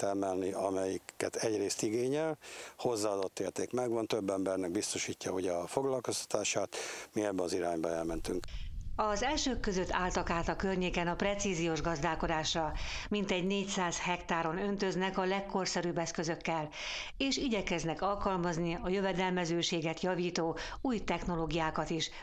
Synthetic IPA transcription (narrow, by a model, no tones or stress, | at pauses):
t̪ɛmɛlniɒmɛjikːɛt̪ɛɟreːst̪iɡeːɲɛlho̞zːaːɒd̪o̞t̪ːeːrt̪eːkmɛɡvɒnt̪øbːɛmbɛrnɛɡ̚bist̪o̞ʃiːcːɒhoɟɛfo̞ɡlɒlko̞st̪ɒ̥t̪aːʃaːt̪miɛbːɛɒziɾaːɲbɒɛlmɛnt̪yŋkɒzɛlʃøːkːø̞zø̞t̪ʰːaːlt̪ɒkaːt̪ɒkørɲeːkɛnɒprɛt̪siːzijoːʒɡɒzd̪aːko̞d̪aːʃrɒmint̪ɛɟneːcsaːzhɛkt̪aːɾo̞nø̞nt̪ø̞znɛkɒlɛkːo̞rsɛɾyːbːɛskøzø̞kːɛl | eːʃiɟɛkɛznɛkɒlkɒlmɒzniɒjøvɛd̪ɛlmɛzøːʃeːɡɛt̪jɒviːt̪oː | uːjt̪ɛxno̞loːɡijaːkɒt̪iʃ